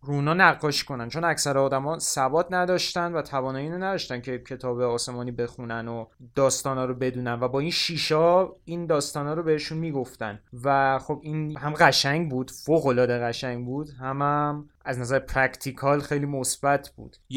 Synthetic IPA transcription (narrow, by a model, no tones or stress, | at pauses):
runɒːnæɣːɒːʃi̥kʰo̞nænt͡ʃʰo̞næcsæɾeɒːd̪æmɒːsæbɒːt̪ʰnæd̪ɒːʃt̪ænvæt̪ʰævɒːnɒːjeːnenæd̪ɒːʃt̪æncʰe̞cʰe̞t̪ʰɒːbe̞ɒːse̞mɒːniːbe̞xunænod̪̥ɒːst̪ɒːnɒːɾobe̞d̪uːnænvæbɒːinʃiːʃɒːind̪ɒːst̪ɒːnɒːɾobehe̞ʃunmiːɡo̞ft̪æ̰nvæxo̞binhæmɢæʃæŋɟbuːd̪̥foːɣo̞lɒːd̪e̞ɣæʃæŋɟbuːd̪hæmæm | æznæzæɾepʰɾækt̪ʰikʰɒlxe̞jliːmo̞sb̥æt̪ʰb̥ṵːd̪̥